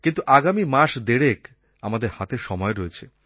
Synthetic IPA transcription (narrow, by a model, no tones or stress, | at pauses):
kint̪uʔaɡamimaʃd̪eɽek | amad̪eɾhat̪eɾʃɔmɔeɾɔet͡ɕʰe